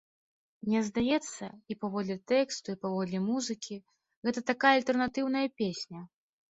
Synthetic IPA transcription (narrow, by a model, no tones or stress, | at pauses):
nʲɛzd̪ajɛt̪sːɐipavɔd̪lʲɛt̪ɛkst̪uipavɔd̪lʲɛmuzɨkʲi | ɣɛt̪ɐt̪akajɐalʲt̪ɛrnat̪ɨwn̪ɐjɐpʲesʲnʲɐ